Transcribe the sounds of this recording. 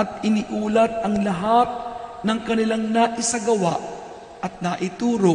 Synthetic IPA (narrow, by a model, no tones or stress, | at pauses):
ʔɐt̪̚ɪnɪʔuːlɐt̪̚ɐŋlɐɦat̪̚nɐŋkɐnɪlaŋnaːʔɪsɐɡɐwaʔ | ʔɐt̪̚naʔɪt̪uːɾo